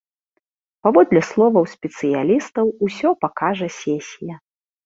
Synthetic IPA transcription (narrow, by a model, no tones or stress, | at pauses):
pavɔd̪lʲɛslˠɔvɐwsʲpʲɛt̪sɨjalʲist̪ɐwusʲɔpakaʐɐsʲɛsʲijɐ